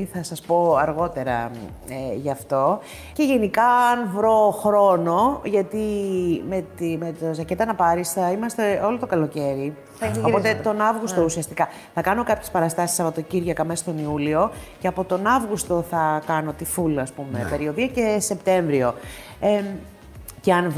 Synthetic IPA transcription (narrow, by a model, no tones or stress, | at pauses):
θɐsɐspo̞ɐɾɣo̞t̪e̞ɾɐ̰ | eʝɐft̪o̞ | ce̞ʝe̞nikɐnvɾo̞xɾo̞no̞ʝɐt̪imet̪imet̪ozɐcet̪ɐnɐpɐɾisθɐimɐst̪e̞o̞lot̪o̞kɐlo̞ce̞ɾi | opot̪et̪o̞nɐvɣust̪o̞usiɐst̪ikɐ | θɐkɐno̞kɐpçe̞spɐɾɐst̪ɐsi̥sɐpo̞t̪o̞ciɾʝɐkɐmesst̪o̞niulio̞ceɐpo̞t̪o̞nɐvɣust̪o̞θɐkɐno̞t̪ifulɐspume̞̰pe̞ɾio̞ðiɐce̞se̞pt̪e̞ɱvɾio̞ | e | ceɐn